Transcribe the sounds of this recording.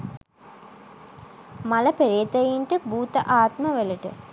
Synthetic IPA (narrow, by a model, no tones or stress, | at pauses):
maləpeɾeːt̪ɐjiɳʈəbuːt̪əʔaːt̪məʋeləʈə̰